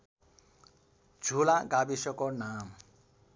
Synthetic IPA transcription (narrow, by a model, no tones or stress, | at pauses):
d͡zʱulaɡabisʌkonam